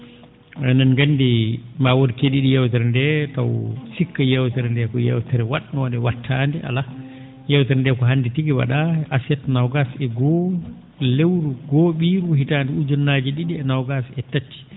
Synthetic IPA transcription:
ɛnanɡanːdimawoɾkeɗiɗijɛwtɛɾɛndɛta̰wsikːajɛwtɛɾɛndɛkɔjɛ̰wtɛɾɛwaɗnɔdɛwatʰːandɛʔa̰la | jɛwtɛɾndɛkɔɦanːditiɡiwa̰ɗaʔasɛtnawɡasɛɡɔ | lewɾuɡɔɓiːɾuhitandɛud͡ʒɔnːad͡ʒiɗiɗiɛnawɡasɛtat͡ʃːi̥

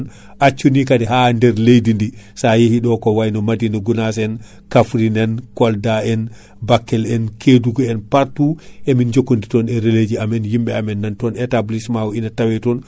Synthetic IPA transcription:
n | ʔat͡ʃːunikadɛɦandɛɾlejdindi | sajehiɗɔkɔwajnɔmadinɔɡunas̬ɛn | kafɾinɛnkɔldaɛn | bakːɛlɛnkʰeduɡɔɛnpaɾtuʔɛmind͡ʒokːonditɔnɛɾeled͡ʒiamɛnhimbɛamɛnːantɔnɛtablismawɔinatawɛtɔn

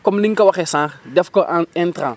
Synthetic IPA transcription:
kɔmliŋkɐwɐxɛsãːχdɛfkɔʔɛntɾãː

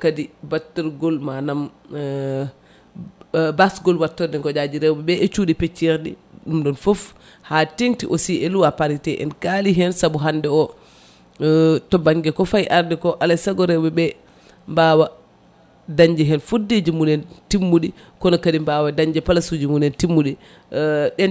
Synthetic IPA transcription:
kadibatːɛɾɡɔlmanam | basɡɔlwatːɔdɛkɔd͡ʒad͡ʒiɾɛwbɛbɛɛt͡ʃuɗipet͡ʃːɛɾɗḭɗumɗɔnfof | hateŋtiʔosiɛluwapaɾitɛʔɛ̰nkaliɦɛnsabuɦandɛɔ | tɔbaŋɡɛkɔfajʔaɾdɛkɔʔalasaɡɔɾɛwbɛbɛ | mbaːwa | daɲd͡ʒɛɦɛnfudːed͡ʒimunɛntimːuɗi | kɔnɔkadimbawadaɲd͡ʒɛpalasud͡ʒimunɛntimːuɗi | ɗɛn

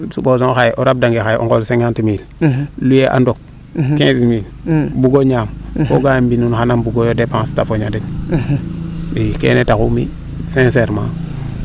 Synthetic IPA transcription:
subos̬õxajʔoɾab̚daŋɡexajʔo̰ŋɡolseŋɡantimillujeʔa̰ndok̚ | kẽsmil | buɡoɲaːmkoɡambinunxanambuɡojodepãstafoɲaden | ikḛːnetakumḭ | sẽnseɾma̰

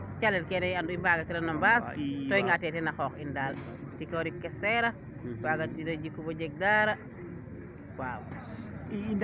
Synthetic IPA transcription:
t͡ʃalelkenejanduimbaɡatiɾanambastoiŋɡatetenaxokindal | tikoɾikːeseɾa | baɡatiɾod͡ʒikːubod͡ʒek̚daːɾa | kwaw̰

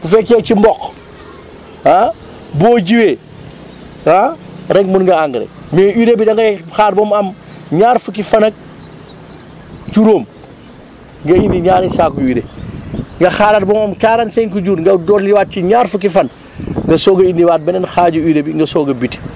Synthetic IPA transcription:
b̥ufɛkːɛːcimbɔk | a | bɔːɟiweː | aɾɛɡmunŋɡɐaŋɡɾḛmɛːiːɾebidɐŋɡɐxaːt̚bɔːmɐm | ɲaːɾfukifɐnɐk̚ | t͡ʃuɾoːm | ŋɡɐindiɲaːɾɛsaːkuiɾe | ŋɡɐxaːɾat̚bɔːmɐmkaːɾɐnsɛŋkuɟuːɾŋɡɐdɔːliwaːt̚t͡ʃiɲaːɾfukifɐn | ŋɡɐsɔːɡɐindiwaːt̚bɛnɛnxaːɟuiːɾebiŋɡɐsɔːɡɐbit

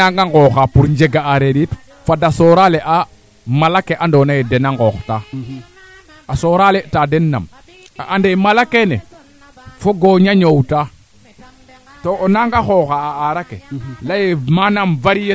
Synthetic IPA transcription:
aŋɡaŋɡɔxapuɾɲd͡ʒeɡaaɾeɾit | fadasoɾaleʔa | malakeʔandonajedenaŋɡɔxta | asoːɾaletadenːa̰m | aʔandemalakenḛ | foɡoɲaɲowta | toʔonaŋɡaxoxaːaɾakelajemanamvaɾije

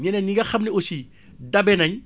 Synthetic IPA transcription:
ɲɛnɛniŋɡaxamniosi | dabɛnaɲ

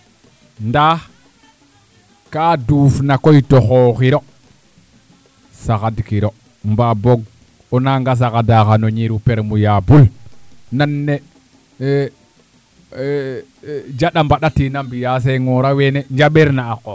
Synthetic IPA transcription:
nda | kaːduːfnakojtoxoxiɾo | saxadkiɾo | mbaboɡ̚ | onaŋɡas̬akadaxanoɲiɾupeɾmujabulnanːe | d͡ʒaɗambaɗatinambijas̬eŋoɾaweneɲd͡ʒaɓeɾnaːko

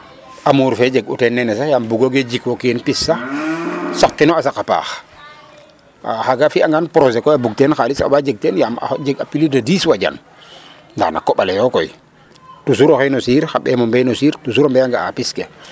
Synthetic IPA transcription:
amuːɾfɛd͡ʒeɡṵtɛnːɛnɛs̬ajambuɡoɡed͡ʒikwokenpisːa | sak̚tinɔasakapa̰ːx | a̰xaɡafiaŋɡanpɾozekɔjabuɡ̚tɛːnxalisa̰bad͡ʒeɡ̚tɛnjama̰d͡ʒeɡapilidadiswaɟa̰n | nːda̰na̰kɔɓalejɔkɔj | tus̬uɾoxenosiːɾxaɓɛ̰mɔmbɛjnosiːɾtus̬uɾombɛaŋɡaa̰piske

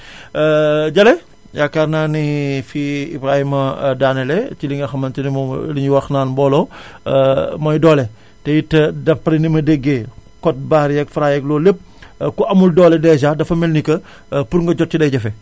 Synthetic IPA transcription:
ɟɐlɛ | jakaɾnaːnifiḭbɾaːhimɐdaːnɛlɛt͡ʃiliŋɐxɐmɐntinim̰liɲiwɐxnaːnbɔːlɔ | mɐjdɔːlɛ | tɛjitːɐdɐpːɾinimɐdeɡːekɔt̚baːɾijɐkfɾajɛklɔːlep̚ | kuʔɐmuldɔːlɛdɛd͡ʒadɐfɐmɛlnikɐ | puɾŋɡɐɟɔt̚t͡ʃidɐɟɐfɛ

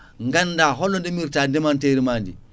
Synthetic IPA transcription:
ŋɡandaːɦolːondemiɾtandemanteɾimandḭ

